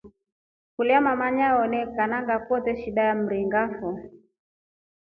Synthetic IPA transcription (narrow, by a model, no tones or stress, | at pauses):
kuliamamaɲaɔnɛkanaŋɡakɔtɛʃiɗajam̩ɾiŋɡafɔ